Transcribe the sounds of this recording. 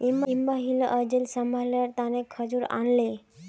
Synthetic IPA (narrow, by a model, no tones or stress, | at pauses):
imimbaɦilə̰ʔəd͡ʑelsəmbʱalaɾt̪anekʰəd͡zuːɾa̰nle